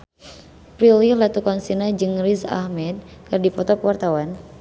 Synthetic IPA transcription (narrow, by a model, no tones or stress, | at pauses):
pɾililat̪ukɔnsinad͡ʒɨŋrisa̰hmɛd̪̚kɨrdipɔt̪ɔkwart̪awan